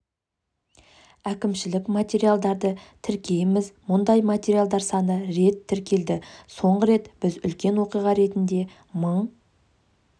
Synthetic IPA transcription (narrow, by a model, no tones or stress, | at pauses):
ækʲɪmʃɪlɪkmat̪ʲe̞ɾialˠd̪ɑɾd̪ət̪ʰɪɾkʲe̞jmɪzmʊnd̪ɑjmat̪ʲe̞ɾijalˠd̪ɑɾsɑnəɾe̞t̪ʰːɪɾkʲe̞ld̪ɪso̞ɴʁəɾe̞t̪b̥ɪzʏ̰lkʲe̞nwo̞qijʁɑɾe̞t̪ɪnd̪e̞ | məɴ